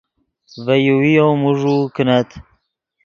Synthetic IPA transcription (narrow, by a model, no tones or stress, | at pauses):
vɛjuwijomuʒukɨnat̪ʰ